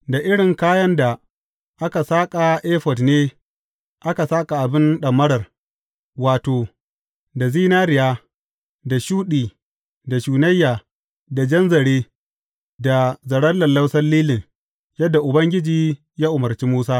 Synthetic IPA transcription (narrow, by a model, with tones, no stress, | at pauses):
da˨ʔɪ˦ɽɪ˨ŋkaː˦jɐ˦nda˨ | ʔa˦ka˨saː˦kʼa˨ʔeː˦ɸɔ˨tneː˦ | ʔa˦ka˨saː˦kʼa˨ʔa˨bɪ˦nɗɐ˨mːɐ˦ɽɐ˨r | waː˨toː˨ | da˨ziː˦naː˦ɾɪ˨jaː˦ | da˨ʃuː˦ɗiː˨ | da˨ʃuː˨nɐ˦jːaː˨ | da˨d͡ʒɐ˦nzɐ˨ɽeː˦ | da˨zɐ˨ɽɐ˦lːɐ˨nlːɐ˦wsɐ˦rliː˦lɪ˨ŋ | jɐ˦dːa˨ʔʊ˨bɐ˦ŋɡʲɪ˦d͡ʒiː˨ | jaː˦ʔʊ˨mɐ˨rt͡ʃi˦muː˦saː˦